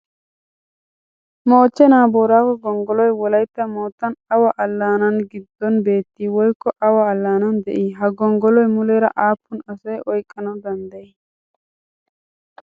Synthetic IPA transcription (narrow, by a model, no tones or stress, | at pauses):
mo̞ːt͡ʃːɛnaːboːɾaːkɔɡɔŋɡɔlɔjwɔlɐjt̪ːɐmoːt̪ːɐnɐwɐʔɐlːaːnɐnɡɪd̪ːɔnbe̞ːt̪ːiwɔjkːɔʔɐwɐːlːaːnɐnd̪ɛ̰ʔiɦɐɡɔŋɡɔlɔjmʊleːɾɐ̰ʔaːpːʊnɐsɔjʔɔjkʼːɐnɐd̪ɐnd̪ɐɛ